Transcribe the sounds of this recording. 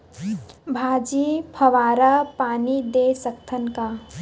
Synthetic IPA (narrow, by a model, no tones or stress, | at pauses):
bʱaːd͡ʒipʰəʋaːɾəpaːnid̪esəkt̪ʰənka